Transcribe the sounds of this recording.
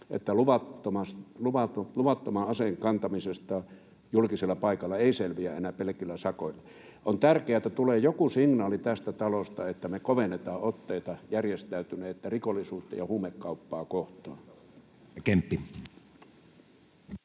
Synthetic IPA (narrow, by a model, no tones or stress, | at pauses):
ʔḛt̪ːæluʋɑt̪ːomɑsluʋɑluʋɑt̪ːomɑʔʔɑseŋkɑnt̪ɑmisest̪ɑ | julkiselːɑpɑˑikɑlːɑeˑiselʋiæʔenæpelĕkilːæsɑkoilːɑ | ʔont̪ærkeæet̪ːæt̪uleːjokusiŋnɑːlit̪æst̪æt̪ɑlost̪ɑet̪ːæmekoʋenːet̪ɑːʔot̪ːeˑit̪ɑjærjest̪æyt̪yneːt̪ːærikolːˑisuːt̪ːɑ̰jɑhuːmekːɑupːɑːkoht̪ˑoː | kempːi